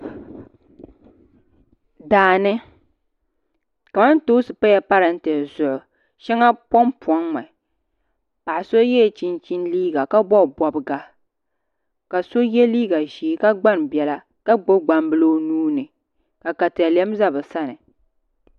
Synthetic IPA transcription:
daː˨nɨ˦ | ka˨ma˦ntoː˦sɨ˨pa˦jɛ˨pa˦ɾɨ˨n̩˦tɛ˨zʊ˨ʔʊ˨ | ʃɛ˦ŋa˦pɔ˦mpɔ˨˦ŋːɛ˨ | pa˨ʔa˨so˦jɛ˦˨t͡ʃi˦nt͡ʃi˦nliː˦ɡa˨ka˦bɔ˦˨bɔ˨bɨ˦ɡa˦ | ka˨so˦jɛ˦liː˦ɡa˨ʒiː˨˦ka˦ɡ͡ba˦nbɛ˨la˦ | ka˦ɡ͡bo˦ɡ͡ba˨mbɨ˦lo˦nuː˦nɨ˨ | ka˨ka˨tlɛ˦mza˦bɨ˨sa˦nɨ˨

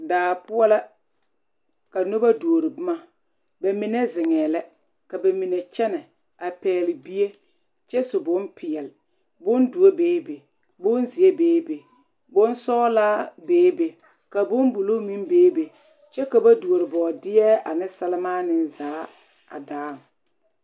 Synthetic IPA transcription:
daː˨pʊ˦ɔ˦la˦ | ka˨no˦ba˦du˨o˨ɾɪ˨bʊ˦ma˦ | bɛ˨mɪ˨ne˦zɪ˨ŋɛː˨lɛ˦ | ka˨be˨mi˨ne˨t͡ʃɛ˦nɛ˨ | a˨pɛː˨˦lɪ˨bi˦e˦ | t͡ʃɛ˦sʊ˨bʊ˦npʰɪ˨ɛ˨lɪ˨ | bʊ˦ndu˨o˦beː˦be˨ | bʊ˦nzɪ˨e˦beː˦be˨ | bʊ˦nsɔː˦laː˦beː˦be˨ | ka˨bʊ˦nbu˨lo˦mi˦nbeː˦be˨ | t͡ʃɛ˦ka˨ba˦du˨o˨ɾɪ˨bɔː˨dɪ˦jɛ˦a˨nɪ˦sɛ˦lɪ˦maː˦nɪ˦nzaː˨˦ | a̰˨daː˨˦˨ŋ˨

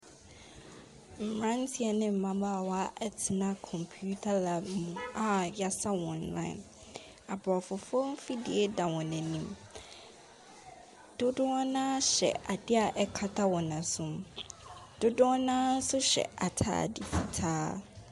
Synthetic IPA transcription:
m̩˨mɾã˦n̩˦tʰi˦ɛ˨nɪ̃˦m̩˨mã˦baː˦˨wɔ˦a˦ʔɛ˦tʰɪ˨nã˦kʰɔ̃˨mpʰu˦tʰa˦la˨mũ˨a˨ja˦sa˦wɔ̃˨nlã̰˦ɪ̰˨n | a˨bɔ˨fʊ˨fɔ˦m̩˦fi˦di˨e˦dã˨wɔ̃˨nɛ̃˨nĩ˦m | d̥ʊ˦dʊ˦ɔ˦nãː˦ɕɛ̰˨ʔa˨dɪ˦a˨ʔɛ˨kʰa˦tʰa˦wɔ˨nã˨sʊ̃˨m | d̥ʊ˦dʊ̃˦ɔ˦nãː˦n̩˦sʊ˦ɕɛ̰˨a˨tʰa̰ː˦˨di˨fi˨tʰaː˦

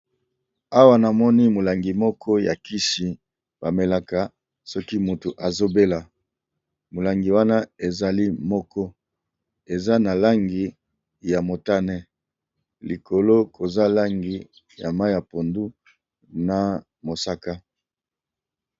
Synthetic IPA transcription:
a˦wa˦na˨mɔ˦ni˦mo˨la˨ŋɡi˨mɔ˦kʰɔ˦ja˨ki˦ʃi˨ | b̥a˨me˨la˦ka˨ | sɔ˦ki˦mo˨tu˨ʔa˨zo˦be˦la˨ | mo˨la˨ŋɡi˨wa˦na˦e˨za˨li˦mɔ˦kɔ˦ | e˨za˦na˨la˦ŋɡi˨ | ja˨mo˨ta˦nɛ˦ | li˨ko˨lo˦kʰo˨za˦la˦ŋɡi˨ | ja̰˨ma˦ja˨po˨ndu˦ | na˨ | mo˨sa˦ka˦

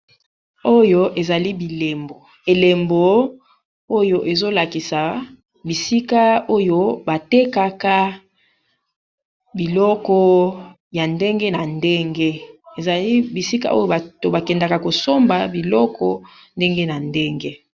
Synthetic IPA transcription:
o˦jo˦ʔe˨za˨li˦bi˨le˨mbo˨ | e˨le˨mbo˨ | o˦jo˨ʔe˨zo˦la˨ki˨sa˨ | bi˨si˦ka˦o˦jo˦ba˨te˦ka˦ka˦ | bi˨lɔ˦kɔ˦ | ja˨nde˦ŋɡe˦na˨nde˦ŋɡe˦e˨za˨li˦bi˨si˦ka̰˦o˦jo˦ba˨to˨ba˨kɛ˨nda˨ka˨ko˨so˦mba˨bi˨lɔ˦kɔ˦ | nde˦ŋɡe˦na˨nde˦ŋɡe˦

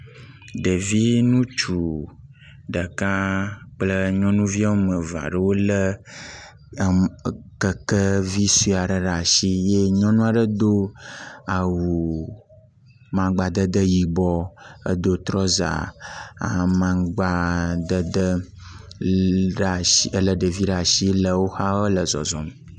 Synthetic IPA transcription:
ɖə˨vi˦nũ˦t͡ʃu˨ | ɖə˨ka˦k͡plə˦ɲɔ̃˦nũ˦vi˦a˦o˦mə̃˨va̰˨ɖə˦wo˦lə˦˨ | kə˦˨kə˦vi˦su˦˨a˨ɖə˨ɖa˨ʃi˦je˦ɲɔ̃˦nũ˦a˨ɖə˦d̪o˦a˨wu˨ | mã˨ɡ͡ba˨d̪ə˦d̪ə˦ji˨bɔ˦ə̰˦d̪o˦t̪ɾɔ˦za̰˨a̰˨mã˦ɡ͡ba˦d̪ə˦d̪ə˦ | ɖa˨i˦ə˦lə˨ɖə˨vi˦ɖa˨ʃi˦lə˨wo˦xa˦wə˦lə˨zɔ̰˨zɔ˨mə˨

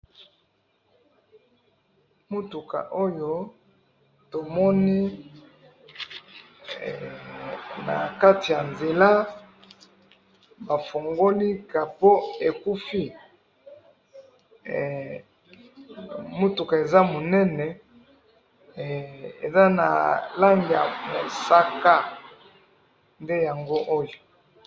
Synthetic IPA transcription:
mu˦tu˨ka̰˨ʔo˦jo˦ | to˨mɔ˦ni˦˨ | na̰˨ka˦ti˨ja˨nze˨la˦ | ba˨fo˨ŋɡo˦li˦ka˨po˦e˨ku˦fi˦˨ | mo˦tu˨ka˨e˨za˦mo˨nɛ˦nɛ˨ | ḛ˨za˦na̰˨la˦ŋɡja̰˨mo˨sa˦ka˦ | nde˦ja˨ŋɡo˦ʔo˦jo˨

